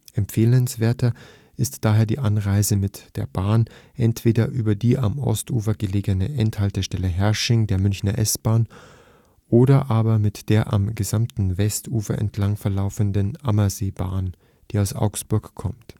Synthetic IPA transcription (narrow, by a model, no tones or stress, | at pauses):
ʔɛmpfeːlənsv̥eːɐtɐ | ʔɪstd̥aːɦeːɐdḭːʔanʁaɪzəmɪtd̥eːɐbaːnʔɛntv̥eːdɐʔyːbɐdiːʔa̰mʔɔ̰stʔṵːfɐɡəleːɡənəʔɛnthaltəʃtɛləɦɛɐʃɪŋdeːɐmʏnçnɐʔɛsb̥aːn | ʔoːɾɐʔaːbɐmɪtd̥eːɐʔa̰mɡəzamtn̩vɛstʔuːfɐ̰ʔɛ̰ntʰlaŋfɛɐlaʊfəndənʔamɐzeːba̰ːn | d̥iːaʊsʔa̰ʊksb̥ʊɐkkʰːɔmt